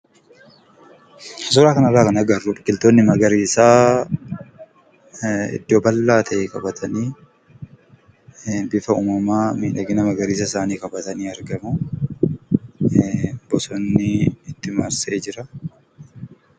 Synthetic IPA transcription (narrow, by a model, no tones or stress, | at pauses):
hɐs̬ʊɾaːkɐnɐraːkɐnɐɡɐrːʊbɪkːɪlt̪oːnːɪmɐɡɐɾiːsaː | ɪ̰d̪ːoːbɐlːaːt̪ʰɐʔeːkʼɐbɐt̪ʰɐniː | bɪfɐuːmɐmaːmiːᶑɐɡɪnɐmɐɡɐɾiːs̬ɐɪsaːniːkɐbɐt̪ɐniːɐɾɡɐmʊ | bɔsɔnːɪɪt̪ːɪma̰ɾseːd͡ʒɪɾɐ